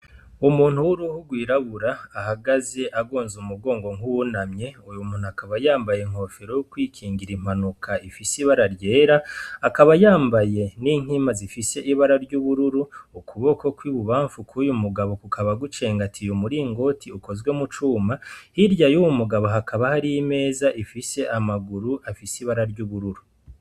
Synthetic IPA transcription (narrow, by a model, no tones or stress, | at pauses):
umuːn̥huɾuhuɡwiːɾaβuɾaːhaɡaze̞ʔaɡo̞ːnzumuɡo̞ːŋɡo̞ŋunamɲe̞ujumuːn̥uakaβajaːmbajeŋho̞feɾojukwiːkʰiːŋɡiɾim̥anukʰaifisiβaɾaɾɟe̞ːɾaːkaβajaːmbaje̞niːŋ̥imazifise̞ʔiβaɾaɾɟuβuɾuɾuːkʰuβo̞ko̞kwiβuβaːɱfukʰujumuɡaβo̞kukʰaβaɡut͡ʃe̞ːŋɡatʰijumuɾiŋɡo̞tʰiuko̞zɡwe̞mut͡ʃuːmahiɾɟajuwumuɡaβoɦakʰaβahaɾijime̞ːzaʔifise̞ʔamaɡuɾuʔafisiβaɾaɾɟuβuɾuɾu